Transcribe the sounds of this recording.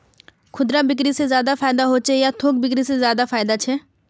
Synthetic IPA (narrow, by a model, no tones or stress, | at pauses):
kʰʊd̪ɾabɪk̬ɾisezjaːd̪afaːɪd̪aɦoːt͡ʃʰejat̪ʰoːk̚bɪkɾisezjaːd̪afʰaːɪd̪at͡ʃʰɛː